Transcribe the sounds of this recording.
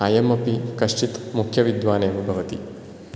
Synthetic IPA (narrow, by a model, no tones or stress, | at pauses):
aːjɐmɐpikɐʂʈit̪mukʰjɐʋid̪ʋaːneːmɐbʱɐʋɐt̪ḭ